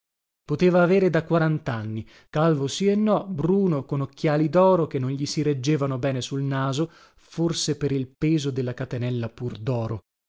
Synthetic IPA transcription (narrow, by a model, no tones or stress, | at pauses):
pot̪eːvaːveːɾed̪akwaɾant̪anːi | kalvosienːɔbɾuːnokonokːjaːlid̪ɔːɾok̟enːonʎisiɾed͡ʒːeːvanobɛːnesulnaːzo | forsepeɾilpeːzod̪elːakat̪enɛlːapurd̪ɔːɾo̰